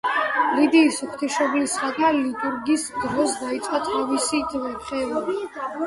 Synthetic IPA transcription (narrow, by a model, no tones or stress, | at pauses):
lid̪iːsuχt̪ʰiʃɔblisχak̪ʼalit̪ʼuɾɡisd̪ɾɔsd̪ait̪sʼqʼat̪ʼavisid̪vɛχɛlˠɔ